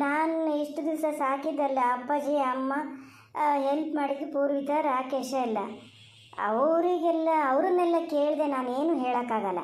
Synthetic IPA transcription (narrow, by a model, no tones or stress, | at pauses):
naːniʂʈud̪iʋsɐsaːkid̪ːɐlːɐɐpːɐd͡ʒeɐmːɐ | ɦelpmaːɽid̪upuːɾʋit̪ɐɾaːkeʂɐɛlːɐ | ɐ̰ʋɾiɡɛlːɐɐʋɾunːɛlːɐke̞ːɭid̪enaːneːnuːɦeːɭɐkːaːɡɐlːɐ̰